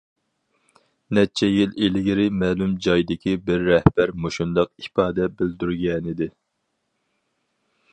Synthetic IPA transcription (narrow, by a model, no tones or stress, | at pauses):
nɛt͡ʃʰɛjililɪɡʲiɾɪmɛːlumd͡ʒɑjd̪ɪkʲibɪɾːɛhb̥æɾmoʃund̪ɑq̚ipɑːd̪ɛbɪld̪yɾɡʲɛnɪd̪ɪ